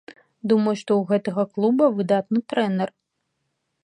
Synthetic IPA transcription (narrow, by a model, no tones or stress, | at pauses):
d̪umɐjuʂt̪ɔuɣɛt̪ɐɣɐklˠubɐvɨd̪at̪nɨt̪ɾɛnɛr